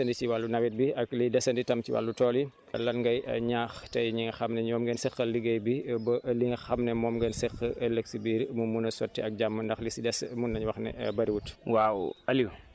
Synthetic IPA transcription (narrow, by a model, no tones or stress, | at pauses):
ɐndit͡ʃiwalːunɐwit̚biɐklidɛsɐnditɐmciwa̰lːutɔːli | lɐnŋɡɐjɲaːxtɐjɲiŋɐxɐmnɛɲɔːmɡɛnsɛxɐliɡɐjbibɐʔliŋɐxɐmnɛmɔːmɡɛnsɛxːəʔɐlɐksibiːɾmumunɐsɔtːiɐk̚ɟamːəndɐxlisidɛsmunːɐɲwɐxnɛ̰bɐɾiwutwawɐliw